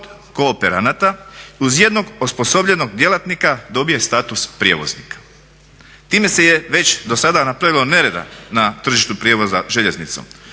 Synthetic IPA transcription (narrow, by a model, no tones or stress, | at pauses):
od̪ | koːpeɾa̰nat̪auzje̞d̪no̞ɡospo̞so̞bʎe̞no̞ɡd̪je̞lat̪nikad̪o̞bije̞st̪aːt̪uspɾʲjḛʋo̞̰znḭkḁ | t̪iːme̞se̞je̞ʋe̞t͡ɕd̪o̞sad̪anapɾaʋilo̞ne̞ɾe̞d̪a̰nat̪r̩ʒiʃt̪upɾjeʋo̞zaʒe̞ʎe̞znit̪so̰m